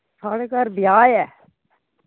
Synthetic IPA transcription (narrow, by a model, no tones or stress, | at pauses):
sʰaːɽekaɾbɪjaːjɛː